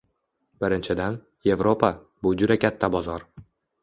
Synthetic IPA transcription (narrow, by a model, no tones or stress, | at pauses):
b̥ɪɾɪnt͡ʃʰɪd̪an | je̞vɾo̞pʰa | bʊd͡ʒʊd̪akʲʰat̪ʰːabɒzɒɾ